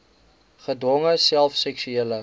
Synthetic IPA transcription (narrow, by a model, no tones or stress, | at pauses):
χədwɔŋəsælˠfsɛksyeələ